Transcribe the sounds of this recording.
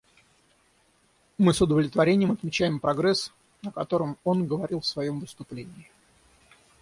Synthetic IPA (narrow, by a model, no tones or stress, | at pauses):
mɨsʊd̪əvlʲɪt̪vɐɾʲenʲɪjəmɐt̪mʲɪt͡ɕæjɪmpɾɐɡɾɛs | nəkɐt̪o̞ɾəmo̞nɡəvɐɾʲilˠfsvɐjo̞mvɨst̪ʊplʲenʲɪːɪ